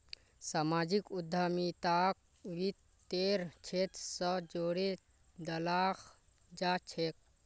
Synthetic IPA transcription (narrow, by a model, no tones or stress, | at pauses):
samad͡ʒikud̪ʱːamit̪ak̚ | ʋit̪ː | eɾt͡ʃʰet̪səd͡ʒoɽe | d̪əlax | d͡ʒat͡ʃʰek̚